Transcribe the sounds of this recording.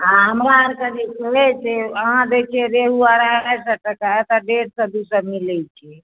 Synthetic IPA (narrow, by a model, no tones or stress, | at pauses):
aɦəmɾaəɾkəd̪ikuɛt͡ʃʰɛɦãd̪et͡ʃʰɛɾeɦuaɾaɛsəʈəkaɛt̪ɔɖeɖsə̃d̪usəmilɛt͡ʃʰɛ